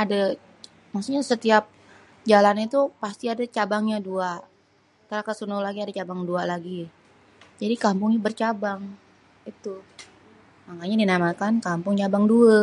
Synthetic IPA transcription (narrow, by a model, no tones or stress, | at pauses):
ada | maksuk̚ɲasət̪iap̚ | d͡ʒalanit̪upast̪iadat͡ʃabaŋɲadua | t̪əɾakasunʊlaɡiadat͡ʃabaŋdualaɡi | d͡ʒadikampʊŋɲabərt͡ʃabaŋ | it̪u | maŋaɲadinamakankampʊŋt͡ʃabaŋduə